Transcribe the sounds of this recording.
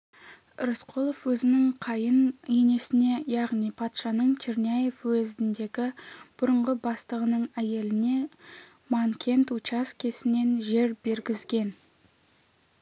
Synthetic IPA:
ɾosqʰolˠofwɵzɪnɪŋqʰɑjənene̞sɪne̞jɑʁnijpʰɑt̪ʃɑnəɴt͡ʃʰiɾnaje̞fwɵzɪnd̪e̞ɡʲɪb̥ʊɾəɴʁəbɑst̪əʁənəɴæje̞lɪne̞ | mɑŋkʲʰe̞nt̪ut͡ʃɑskʲʰe̞sɪne̞nʒe̞ɾbe̞ɾɡʲɪzɡʲe̞n

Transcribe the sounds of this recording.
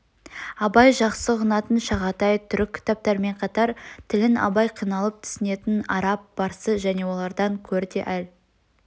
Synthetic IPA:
ɑbɑjʒɑqsəʁənɑt̪ənʃɑʁɑt̪ɑjt̪ʰʏɾɪkʲʰːɪ̥t̪ɑp̚t̪ɑɾme̞ɴqʰɑt̪ɑɾt̪ʰɪlɪnɑ̰bɑjqʰijnɑlˠəp̚t̪ʰʏ̥sɪne̞t̪ɪnɑɾɑp̚b̥ɑɾsəʒæne̞wo̞lˠɑɾd̪ɑŋkʲʰɵɾd̪e̞̰ʔæl

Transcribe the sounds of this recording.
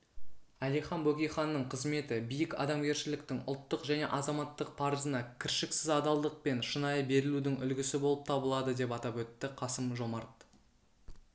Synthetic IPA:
ælijχɑnbɵkʲijχɑnːəɴqʰəzme̞t̪ɪbijɪkɑ̰d̪ɑmɡʲe̞ɾʃɪlɪkt̪ɪŋʊ̰lˠt̪ːəqʒæne̞ʔɑzɑmɑt̪ːəq̚pʰɑɾəzənɑkʲʰɪɾʃɪksɪzɑd̪ɑlˠd̪əq̚pe̞nʃənɑjəbe̞ɾɪlud̪ɪŋʏlɡʲɪsɪbo̞lˠəp̚t̪ʰɑbəlˠɑd̪əd̪e̞pɑt̪ɑpwɵt̪ːɪqʰɑsəmʒo̞mɑɾt̪

